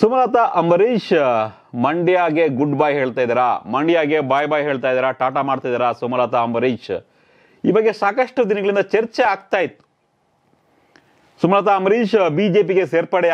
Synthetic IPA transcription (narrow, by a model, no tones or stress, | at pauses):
sumɾaːt̪aʔɐmɐɾiːʃ | mɐɳɖijaːɡe̞ɡuɖbaːjɦeːɭt̪aːjd̪iɾamɐɳɖijaːɡebaːjbaːjɦeːɭt̪aːjd̪iːɾɐʈaːʈamaːɽt̪ajd̪iɾasumɾaːt̪aɐmɐɾiːʃ | ḭːbɐɡːesaːkɐʂʈɐd̪inɐɡɐɭind̪ɐt͡ʃɐɾt͡ʃeaːɡt̪aːjit̪ːu̥ | sumɾaːt̪aːmɐɾiːʃbiːd͡ʒeːpiɡeseːɾpɐɽɛ